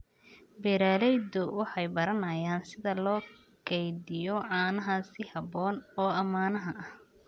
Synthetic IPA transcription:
bɛɾaːlɛjd̪ʊwɑħɑjbɐɾɐnɐjaːnsɪðɐlɔː | kɡʰɛjd̪ɪjɔʕɑːnɐɦɐsɪhɐbɔːnɔːɐmaːnɐɦɐʔɐh

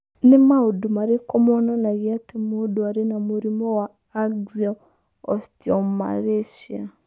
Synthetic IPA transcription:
nɪmaudumaɾekɔmɔnɔnaɣiatimuduaɾenamuɾimɔwaː | ɡza | ɔstjɔmma̰ɾeʃja

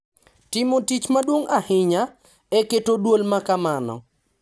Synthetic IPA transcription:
tɪmotit͡ʃmadwoŋʔahɪɲa | ɛketodwolmakamanɔ̰

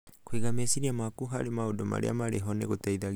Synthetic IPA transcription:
kwiɣamesiɾiamakuɦaɾemaodɔma̰ɾḛa̰maɾeɦɔneɣotaiðaɣ

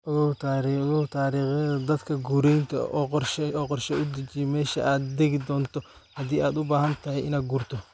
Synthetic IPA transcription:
ʔʊɣɐt̪ʰaːɾiɣɐt̪ʰaːɾiːχɪðɐd̪ɐd̪kʰɐɡuɾɛjnt̪ʰɐ̰ʔɔːqɔrʃɛɔːqɔrʃɛʊd̪ɪt͡ʃɪjmɛːʃɐ̰ʔaːd̪d̪ɛɡɪd̪ɔːnt̪ʰɔ | hɐd̪iːʔaːd̪ʊbaːhɐnt̪ʰɐɦɛjɪnaːd̪ɡuːrt̪ʰɔ

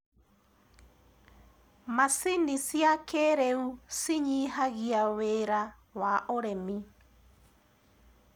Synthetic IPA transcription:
masinisjakeːɾɛusiɲiɦaɣiaweːɾa | waʔoɾɛmi

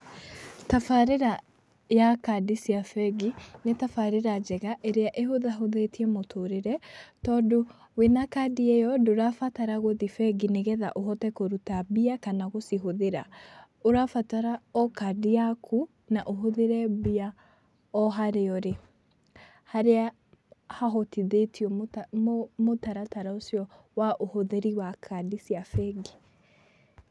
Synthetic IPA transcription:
tafaɾeɾa | jakadisiafɛɡinetafaɾeɾad͡ʒɛɣaʔeɾeaʔeɦoðaɦoðetiɛmotʰoɾeɾɛtɔːdo | wenakadiɛjɔdoɾafataɾaɣoðifɛɡineɣɛða̰ʔoɦɔtɛkoɾutabiakanaɣosiɦoðeɾa̰ | oɾafataɾaɔkadiakʰu | naʔoɦoðeɾɛbia | ɔɦaɾeɔɾe | haɾea | haɦɔtiðetiɔmtmmotaɾataɾaosjɔ | waʔohoðɛɾiwakʰadisiafɛɡi̥

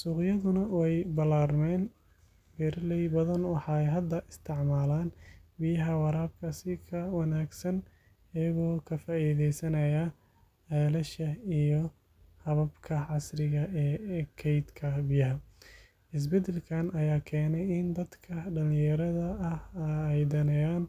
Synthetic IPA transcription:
suːqjɐðʊnɐwɛjbɐlaːrmɛːn | bɛɾlɛjbɐðɐnwɑħɑɛjɦɐd̪ːɐʔɪst̪ʰɪʕmaːlaːnbɪjɐɦɐwɑɾaːb̚kʰɐsɪkʰɐwɑnaːɡsɐn | ɪjɐɣɔːkʰɐfaːʔiːðɛjsɐnɐja | ɛːlɐʃɐijɔ | hɐβɐbkʰɐʕɑsrɪɣɐʔɛːkʰɛjd̪kʰɐbɪjɐɦɐ | ɪs̬bɛd̪ɛlkʰaːnɐjaːkʰɛːnɛjɪnd̪ɐd̪kʰɐɖɐlɪ̃jɐɾɐðɐʔɐhɛjd̪ɐnɛjaːn

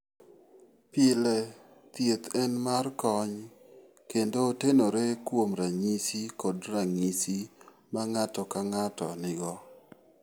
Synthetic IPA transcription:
pɪlɛ | t̪jet̪ɛnmarkɔɲ | kendoːtenoɾekwomɾaŋisikodraŋisi | maŋatɔkaŋatɔ̰nɪɡɔ

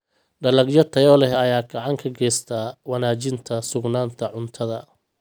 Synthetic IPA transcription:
ɖɐlɐɡjɔt̪ʰɐjɔːlɛɦɐjaːɡɐʕɑŋkʰɐɡɛːst̪ʰaːwɐnaːt͡ʃɪnt̪ʰɐsʊɡnaːnt̪ʰɐʕʊnt̪ʰɐðɐ

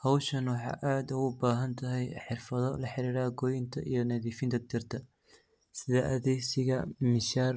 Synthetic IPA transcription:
hɐwʃɐnwɑħɑ̰ːʔaːd̪ʊʊbaːɦɐnt̪ʰɐɦɛjħɪrfɐðɔlɐħɪɾiːɾaːɡɔjɪnt̪ʰɐʔijɞnɐðiːfɪnt̪ʰɐd̪ɪrt̪ʰɐ | sɪðɐʔɐðɛsɪɣɐmɪʃaːr

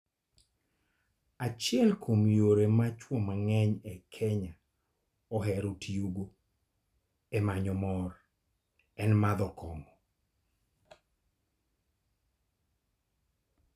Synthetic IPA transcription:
at͡ʃjɛlkʰomjoɾemat͡ʃwomaŋɛɲɛkʰɛɲa | ɔɦɛɾotʰiuɡo | ɛmaɲɔmɔr | ɛnmad̪ɔkɔŋɔ

